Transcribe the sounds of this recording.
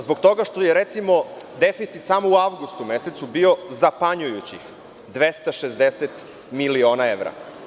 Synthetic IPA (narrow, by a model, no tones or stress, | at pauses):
zboɡ̚t̪o̞ɡaʃt̪o̞jeɾet̪simo̞d̪efit̪sit̪samouaʋɡust̪umeset̪subio̞zapaɲujut͡ɕḭx | d̪ʋest̪aʃezd̪eset̪ | milio̞ːnaeʋɾa̰